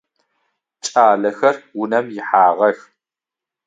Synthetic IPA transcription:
t͡ʃʼaːɮɐxɐrwʊnɐmjɪħaːʁɐx

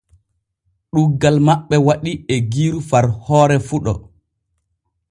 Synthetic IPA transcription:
ɗuɡːalmaɓːɛwaɗiɛɡiːɾufaɾhɔːɾɛfuɗɔ̰

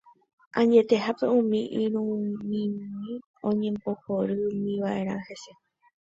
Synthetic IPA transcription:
ʔãɲd͡ʒe̞t̪e̞ɦape̞ũmĩʔiɾũmĩmĩ | õ̞ɲẽ̞mbo̞hoɾɨmĩʋaʔe̞ɾ̃ãhe̞se

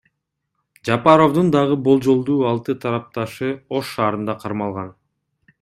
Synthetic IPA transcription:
d͡ʒɑpɑɾo̞vd̪ɯnd̪ɑʁɯbo̞lˠd͡ʒo̞lˠd̪uːɑlˠt̪ɯt̪ʰɑɾɑp̚t̪ɑʃɯo̞ʃːɑːɾɯnd̪ɑqʰɑɾmɑlˠʁɑn

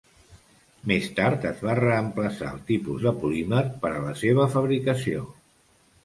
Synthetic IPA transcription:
mest̪aɾt̪əzβarəəmpləsa̰əlˠt̪ipuzðəpuliməɾpəɾələseβ̞əfəβɾikəsio̰

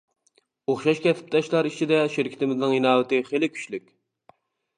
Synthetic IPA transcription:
oχʃɑʃkʲɛt̪ʰɪ̥p̚t̪ʰɛʃlˠɑɾit͡ʃʰid̪ɛʃiɾkʲʰɪ̥t̪ʰɪmɪznɪŋinɑːwɪt̪ɪχelɪkʲʰy̥t͡ʃlykʲ

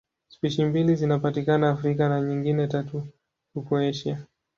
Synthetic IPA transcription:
spiʃimbilizinapatikanaːfɾikanaɲiŋɡinɛtatu | hupɔɛʃia

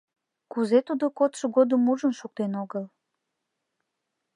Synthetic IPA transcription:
kuzet̪ud̪okot̪ʃoɣod̪əmuʒənʃuk̚t̪enoɣəl

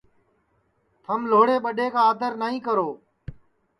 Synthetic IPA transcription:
t̪ʰəmloːɽeːɓəɗeːkaːd̪əɾnaːɦĩːkəɾoː

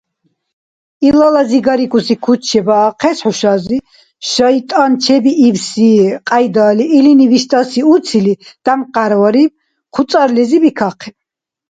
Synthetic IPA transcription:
ilalaziɡaɾikʰʼusikʰut͡ʃʰɛbaːqʰɛsħuʃazi | ʃait̪ʼant͡ʃʰɛbiʔːvsiqʼajd̪aːliʔːliniviʃt̪ʼasiut̪sʰilid̪̥amqʼaɾvaɾi | qʰut̪sʼaɾlɛzibikʰaqʰɛ

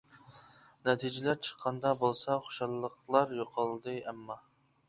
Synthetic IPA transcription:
nɛt̪ʰid͡ʒɪlæɾt͡ʃʰə̥qʰːɑnd̪ɑbolˠsɑχo̥ʃɑlˠːəqlˠɑɾjoqʰɑlˠd̪ɨɛmːɑ

